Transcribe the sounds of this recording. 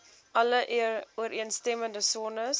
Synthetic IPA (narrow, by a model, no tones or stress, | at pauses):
ʔɐləʔuəɾʔiənstɛməndəsonəs